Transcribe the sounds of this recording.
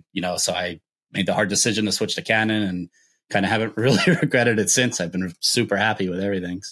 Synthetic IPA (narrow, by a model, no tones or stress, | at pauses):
jɨnoʊsoʊaɪ | meɪd̪̚ðəhɑɹdɨsɪʒɨ̃n̩təswɪt͡ʃɨkʰænɨ̃nɨ̃n | kʰãɪ̃ndɨhævɨ̃nʔɹɪlˠiɹɨɡɹɛɾɨɾɨtsɪ̃nsaɪvbɨ̃n̩sʉpə˞hæpiwəðɛvɹiθɪ̃ŋ̥